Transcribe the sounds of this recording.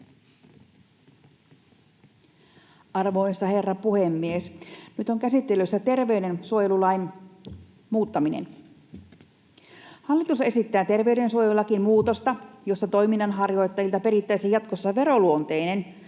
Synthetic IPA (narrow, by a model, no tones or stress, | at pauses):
ɑrʋojsːɑhe̞rːɑpuhemːiesnyt̪oŋkæsit̪ːeløsːæt̪e̞rʋe̞yde̞nsuojelulɑjn | muːt̪ːɑminḛn | hɑlːit̪usːɑe̞sit̪ːæːt̪e̞rʋe̞yde̞nsuojelːɑkinmuːt̪o̞st̪ɑjo̞sːɑt̪o̞jminːɑnɦɑrjo̞jt̪ːɑjilt̪ɑpe̞ɾit̪ːæjsejɑt̪kosːɑʋe̞ɾo̞luont̪e̞jne̞n